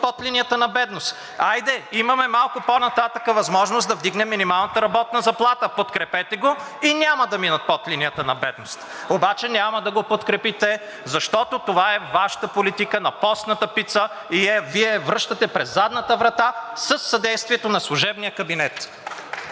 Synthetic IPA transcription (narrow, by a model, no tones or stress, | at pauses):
pɔt̪linijət̪ənɐbɛd̪nost̪ | ajd̪ɛimɐmɛmalˠkʊponɐt̪at̪əkəvɐzmɔʒnosd̪ɐvd̪iɡnɛmːinimalˠnət̪əɾɐbɔt̪nəzɐplˠat̪əpot̪kɾɛpɛt̪ɛɡo | inʲaməd̪ɐminət̪̚pɔt̪linijət̪ənɐbɛd̪nost̪ | obat͡ʃɛnʲaməd̪ɐɡopot̪kɾɛpit̪ɛ | zɐʃt̪ɔt̪ot̪ovaɛvaʃə̥t̪əpolit̪ikənɐpɔst̪nət̪əpit̪sə | iɛviɛvɾɤʃt̪ət̪ɛpɾɛzːad̪nət̪əvɾɐt̪asəsːɐd̪ɛjst̪viɛt̪onɐslˠʊʒɛbnijəkɐbinɛt̪